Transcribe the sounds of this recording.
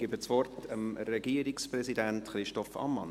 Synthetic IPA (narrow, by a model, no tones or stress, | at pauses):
ɡ̥ibət͡sʋɔrtʰəmɾɛɡiəɾɪksprɛsidæntχɾɪʃtɔfɑ̰mːɑ̰n